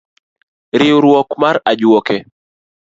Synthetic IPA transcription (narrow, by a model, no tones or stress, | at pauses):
ɾɪuɾwɔkmaɾad͡ʒɔkɛ